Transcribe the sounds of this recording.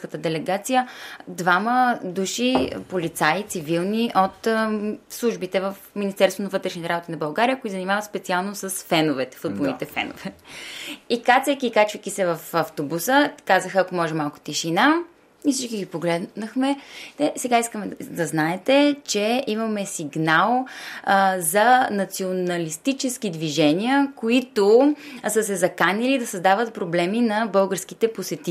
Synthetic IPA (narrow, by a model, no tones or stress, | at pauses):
kət̪əd̪ɛlɛɡat̪sijəd̪vaməd̪uʃipolit̪sait̪sivilˠniʔot̪ | slˠuʒbit̪ɛvəfminist̪ɛɾsoonɐvɤt̪ɾɛʃnit̪ɛɾabot̪inɐbɐlˠɡaɾijəkoizənimavət̪spɛt̪sialˠnosəsfɛnovɛt̪ɛ̥fud̪̚bolˠnit̪ɛfɛ̰no̰vɛ | ikat̪sɛkʲiːkat͡ʃvikʲisɛvəfɐft̪obusəkazəxəɐkomɔʒɛmalˠkʊ̥t̪ɛʃina | ifsit͡ʃkiɡipoɡlɛd̪nəxmɛt̪ɛsɛɡaiskəmɛd̪ɐznaɛt̪ɛt͡ʃɛimɐmɛsiɡnalˠ | zɐnɐt̪sionɐlist̪it͡ʃɛsk̟id̪viʒɛniəkoit̪osəsɛzɐkanilid̪ɐsəzd̪avət̪̚pɾoblɛminɐbɤlˠɡəɾskit̪ɛposɛt̪i